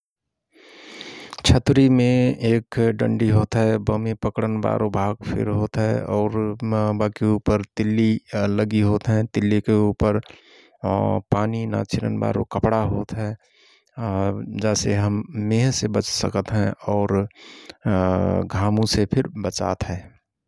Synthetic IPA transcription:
t͡ʃʰət̪ɾimẽeːkɖə̰̃ɳɖiɦoːt̪ɦɛbəmipəkɽənba̰ːɾobʱaːɡpʰɪ̰ɾɦoːt̪ɦɛ̰ɔːɾbakeuːpəɾt̪ɪlːiləɡiɦoːt̪ɦɛ̃t̪ɪlːikeuːpəɾ | paːnina̰t͡ʃʰɪɾə̰nba̰ːɾo̰kəpɽaɦoːt̪ɦɛ | d͡ʒɛːseɦəmːeːɦsebət͡ʃsəkət̪ɦɛ̃ɔːɾ | ɡʱaːmũsepʰɪɾbət͡ʃa̰ːt̪ɦɛː

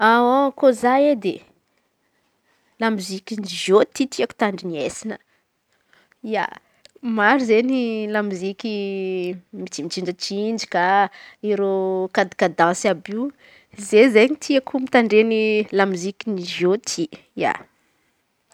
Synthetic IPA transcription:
aokozaed̪e | lamizikiniʒot̪it̪iaku̥t̪aɳɖ͡ʐiniesinə | ia̰ | maɾizenilamizikʲi | mit͡simit͡ʃiɳɖ͡ʐət͡ʃind͡ʒi̥kaiɾokad̪i̥kad̪ãsabiu | zezeɲit̪ʰiakumit̪aɳɖ͡ʐenilamizikiniʒot̪ʰi | ja̰

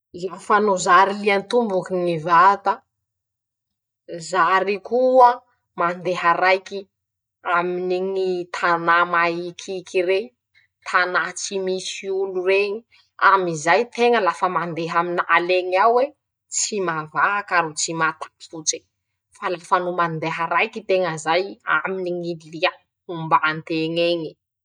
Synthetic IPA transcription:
iafanozaɾiliant̪umbukinivat̪ə | zaɾikuə | mand̪eɦaɾajki | aminiŋit̪ʰanamaikʰikiɾe | t̪ʰanat͡simisiulureɲi | a̰mizajt̪eŋəlafəmand̪eɦaminaleɲiawwe | t͡simavaakaɾut͡simat̪ḁfut͡se | falafanumand̪eɦaɾajkit̪eŋəzaja̰miniŋililia | umbaːnt̪eŋeɲi̥

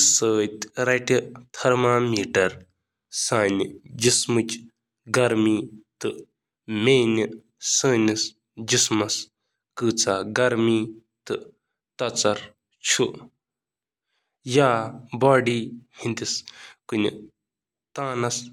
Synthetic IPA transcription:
səːt̪ʲɾɐʈit̪ʰɐɾmaːmiːʈɐɾ | saːnʲid͡ʒismɨt͡ʃ | ɡɐɾmiːt̪ɨ | meːni | səːnis | d͡ʒismɐs | kɨːt͡saːɡɐɾmiː | t̪ɨ | t̪ɐt͡sɐɾ | t͡ʃʰu | jaːbaːɖiːhint̪iskunḭ | t̪aːnɐs

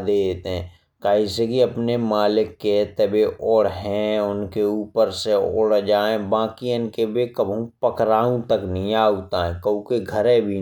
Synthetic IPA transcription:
d̪eːet̪eɦɛ̃ | kaːisekiɐpnemaːlɪkːet̪əbeʔɔːɽɦɛ̃ʊnkeuːpəɾseo̰ːɽd͡ʒaːẽbãːkiɪnkebekəbʱũpəkɾaːũt̪əknəɦĩaːuːt̪aɦɛ̃kəũkeɡʱəɾẽbʱi

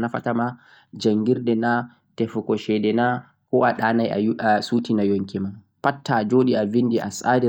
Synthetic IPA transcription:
nafa̰tama | d͡ʒaŋɡiɾdɛna | tɛfukɔʃɛdɛna | kɔːʔaɗaːnaja̰asuːtinajoŋkiman | patʰːad͡ʒoːɗiavindiʔa̰saːdɛ

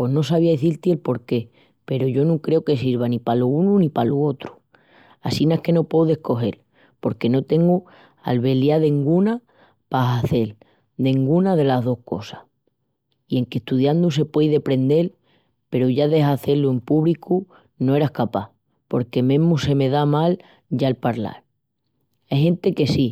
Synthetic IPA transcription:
pweɦno̞saβiaðeθilt̪ielpo̞ɾke̞ | pe̞ɾoʝo̞nũŋkɾe̞oke̞siɾβ̞anipaloununĩpaloo̞t̪ɾu̥ | asinaehke̞no̞pwowðe̞hko̞ɦe̞̰l | po̞ɾke̞no̞t̪e̞ŋɡu | a̰lβe̞ljaðe̞ŋɡuna | paɦaθe̞l | d̪e̞ŋɡunaðe̞laɦðo̞hko̞̰sah | ie̞ŋke̞ht̪uðjand̪us̬e̞pwe̞jðe̞pɾe̞nd̪e̞l | pe̞ɾoʝaðe̞ɦaθe̞lue̞mpuβliku | noe̞ɾahkapa | po̞ɾke̞mẽ̞ɦmuse̞me̞ðamal | ɟ͡ʝaelpaɾla̰ɾ | eɦẽ̞nt̪e̞ke̞si

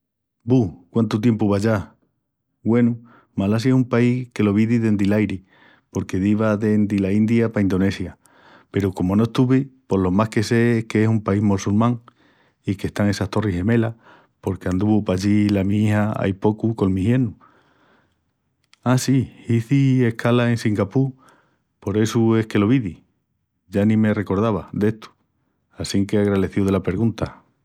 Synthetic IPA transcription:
bukwant̪ut̪̬je̞mpuβaʝa | ɡwe̞nu | malas̬jaesumpaihke̞lo̞β̞iðiðe̞nd̪ilajɾi | po̞ɾke̞ðiβaðe̞nd̪ilaind̪japaind̪o̞ne̞sja | pe̞ɾoko̞mono̞ehst̪uβipo̞lo̞mahke̞se̞keesumpaiɦmolsulmãŋ | ikeht̪aŋe̞saht̪o̞riɦe̞me̞la | po̞ɾkeand̪uβupaʎilamĩihaa̰jpo̞kuko̞ŋmĩhje̞nu | asiiθie̞hkʰalae̞nsiŋɡapu | po̞ɾe̞sue̞hke̞lo̞βiði | ʝanĩme̞re̞ko̞ɾð̞aβaðe̞ht̪u̥ | asiŋke̞aɣɾaðe̞θjuðelape̞ɾɣunt̪a

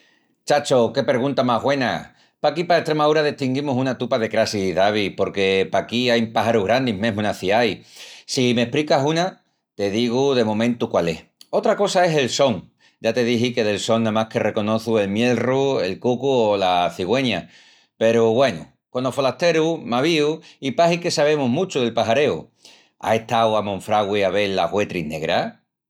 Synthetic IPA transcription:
t͡ʃat͡ʃo̞ke̞pe̞ɾɣ̞unt̪amaɦɣwe̞na̰ | pakipaeht̪ɾe̞maðuɾaðiht̪iŋɡimusunat̪upaðe̞kɾasiðaβ̞ipo̞ɾke̞pakiajpaɦaɾuɦɣɾand̪imẽɦmũnaθiajsime̞hpɾikaɦuna | t̪e̞ðiɣ̞uðe̞mõ̞mẽ̞nt̪ukwale̞̰ho̞t̪ɾako̞sae̞se̞lso̞ŋ | d͡ʒat̪e̞ðiɦike̞ðe̞lso̞ŋnãmahke̞re̞ko̞no̞θue̞lmje̞lrue̞lkukuolaθiɣwe̞ɲa | pe̞ɾuβwe̞nṵ | ko̞nofo̞laht̪e̞ɾumaβ̞iuipaɦike̞saβ̞e̞muɦmũt͡ʃuð̞e̞lpaɦaɾe̞ṵ | a̰e̞ht̪awamõ̞ɱfɾaɣwiaβe̞lːahwe̞t̪ɾine̞ɣɾa

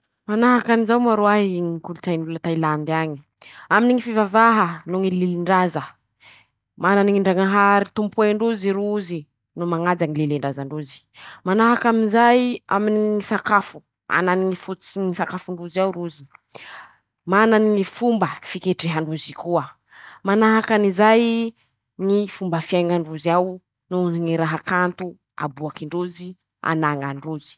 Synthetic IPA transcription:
manaɦakanizawmaɾoaɦiŋikulut͡sajnulat̪ailand̪iaɲi | aminiŋifivavaɦənuŋileliɳɖ͡ʐazə | mananiŋiɳɖ͡ʐaŋaɦaɾit̪umpuɳɖ͡ʐuziɾuuzi | numaŋad͡zaŋileliɳɖ͡ʐazaɳɖ͡ʐuzi̥ | manaɦakaminzaja̰miniŋisakafu̥ | a̰naniifut͡sinisakafuɳɖ͡ʐuzawɾuzi̥ | manannifumbəfikeʈ͡ʂeɦaɳuzikuə | manaɦakanizaj | nifumbəfiajŋaɳɖ͡ʐuzaw | nuziniɾaɦakant̪u | a̰buakiɳɖ͡ʐuzi | a̰naŋaɳɖ͡ʐuzi̥

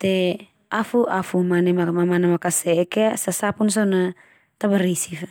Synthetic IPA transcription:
t̪e | afuʔafumanemamamanamakasekeasasapuns̬ona | t̪abaɾisif

